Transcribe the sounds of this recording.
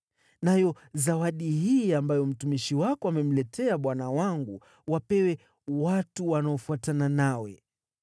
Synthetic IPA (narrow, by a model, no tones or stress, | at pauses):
najɔ | zawaɗihiːambajɔm̩tumiʃiwakɔamɛm̩lɛtʰɛaɓwanawaŋɡu | wapɛwɛ | watuwanaɔfuatananawɛ̰